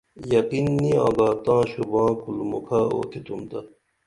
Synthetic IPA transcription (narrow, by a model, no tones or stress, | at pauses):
jɐqinːiã̰ːɡaːt̪ãːɕubãːkulmukʰao̰ːt̪ʰit̪ʰumt̪ɐ